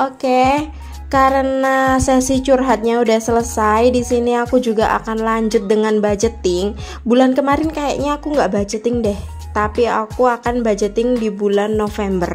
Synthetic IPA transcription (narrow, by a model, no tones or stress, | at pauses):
ʔoke | kaɾənasɛsit͡ʃurɦat̪̚ɲaudahsələsajdisiniakud͡ʒuɡaʔa̰kanlaɲd͡ʒʊt̪̚dəŋanbad͡ʒət̪ɪŋ | bulankəmaɾɪnkaja̰ʔɲaːkuŋɡaʔbad͡ʒət̪ɪŋdɛh | t̪apia̰kuakanbad͡ʒət̪ɪŋdibulanːofɛmbər